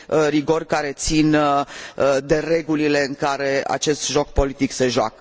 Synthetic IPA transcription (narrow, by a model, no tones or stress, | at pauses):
əriɡo̞rkaɾe̞t̪sin | d̪e̞re̞ɡulile̞ɨŋkaɾe̞a̰t͡ʃe̞st̪ʒo̞k̚po̞lit̪ikse̞ʒoa̰kə